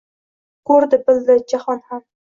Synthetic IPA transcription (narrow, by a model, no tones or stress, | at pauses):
kʰɵɾd̪ɪbɪld̪ɪd͡ʒahɒnham